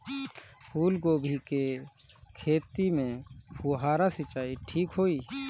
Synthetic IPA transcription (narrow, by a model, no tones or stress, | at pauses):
pʰuːlɡoːbʱikekʰeːt̪imẽpʰuɦaːɾasɪt͡ʃaːiʈʰiːkɦoːiː